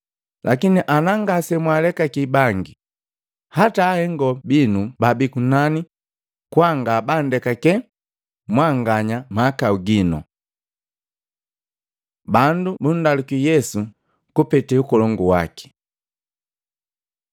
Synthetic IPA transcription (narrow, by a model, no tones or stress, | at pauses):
lʔakiniʔanaŋɡasɛmwalɛkakibaŋɡi | hataːhɛŋɡɔbinubabikunani | kwaŋɡabandɛkakɛ | mwaŋɡaɲamakauɡinɔ̰ | bandubun̩dalikijɛsu | kupɛtɛukɔlɔŋɡuwa̰ki̥